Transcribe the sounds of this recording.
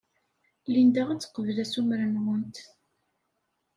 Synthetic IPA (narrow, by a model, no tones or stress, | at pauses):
lind̪æʁæt͡sːə̥qəvəlæsumɾənʁʊnt̪